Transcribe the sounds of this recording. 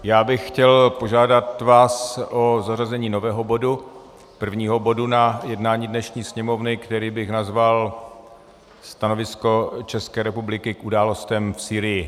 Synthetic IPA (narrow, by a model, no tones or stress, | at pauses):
jaːbɪxxcɛlpo̞ʒaːdat̪vaːsʔozarazɛɲiːno̞vɛːɦobo̞du | pr̩vɲiːɦo̞bo̞dunajɛdnaːɲiːdnɛʃɲiːsɲɛmo̞vnɪkt̪ɛɾiːbɪxnazval | st̪ano̞vɪsko̞t͡ʃɛskɛːɾɛpublɪkɪkʔudaːlo̞st̪ɛmfsiːɾɪjɪ